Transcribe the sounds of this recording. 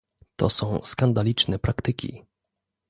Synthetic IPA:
t̪ɔ̰sɔ̃w̃skand̪alʲit͡ʂnɛpɾakt̪ɘkʲḭ

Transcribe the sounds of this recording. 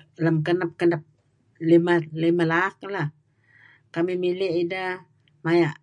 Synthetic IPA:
ləmkənap̚kənap̚ | limalimalak̚lah | kamimileʔidə | majaʔ

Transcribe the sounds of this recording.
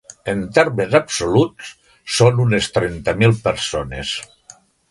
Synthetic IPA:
ent̪eɾmezabsolutt͡s | sonunest̪ɾent̪əmilˠpeɾsones

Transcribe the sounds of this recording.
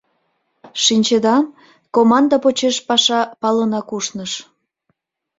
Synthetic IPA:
ʃinʲt͡ɕed̪ɑm | komɑnd̪apot͡ɕeʃpɑʃɑpɑlənɑkuʃnəʃ

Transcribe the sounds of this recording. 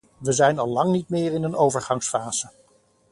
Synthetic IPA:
ʋəzɛjnɑlˠlɑŋnitmɪːrɪnənowvəɹχɑŋsfaːz̥ə

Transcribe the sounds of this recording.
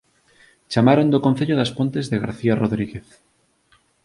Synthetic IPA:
t͡ʃamaɾond̪okonθeʎoðaspont̪ezðeɣa̰ɾθiaroðɾiɣeθ

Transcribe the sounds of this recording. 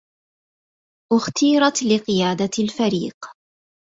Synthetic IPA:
ʔʊxt̪iːɾˤɑt̪lɪqɨjaːd̪alfaɾiːq

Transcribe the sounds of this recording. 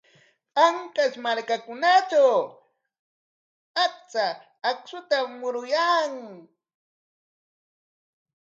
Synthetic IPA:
aŋkaʃmaɾkakʊnat͡ʃaw | ak̚t͡saː | ksʊt̪amʊɾʊjaŋ

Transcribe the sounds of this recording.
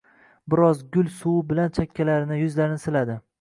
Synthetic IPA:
bɪɾɒzɡʊlsuwbɪlant͡ʃʰakʲʰːalaɾɪnɪjʊzlaɾɪnɪsɪlad̪ɪ

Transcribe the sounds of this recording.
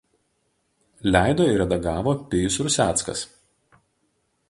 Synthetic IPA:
lʲæˑɪd̪oːɪɾʲɛd̪ɐɡɑːʋoːpʲɪjʊsɾʊsʲæːˑt̪skɐ̰s

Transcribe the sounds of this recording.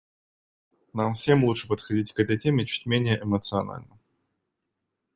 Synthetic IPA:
namfsʲe̞mlˠutʂɨpət̪xɐdʲitʲkɛt̪əjtʲemʲɪt͡ɕu̥t̚ʲmʲenʲɪjəʔɛmət̪sɨɐna̰lʲnə

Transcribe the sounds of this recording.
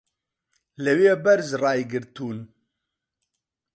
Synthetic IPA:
lɨweːbɛɾzrɑːjɡɨɾt̪ʰuːn

